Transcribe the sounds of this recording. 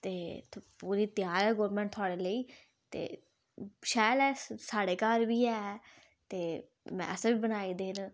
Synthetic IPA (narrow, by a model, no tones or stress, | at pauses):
t̪eːpuːɾiːt̪ɪjaːɾɛːɡoːɾmɛ̃ːɳʈt̪ʰʊaːɽeːləiː | t̪ḛː | ʃaːjəlɛːsaːɽeːkaːɾbiːɛː | t̪eː | mɛ̰̃ːʔəsʋiːbənaːiːd̪eːn